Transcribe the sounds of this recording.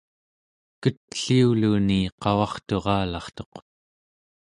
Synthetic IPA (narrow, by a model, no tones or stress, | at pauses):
kət̪̚ɬiuluniqɑwɑχt̪o̞ʁɑːlɑχt̪o̞q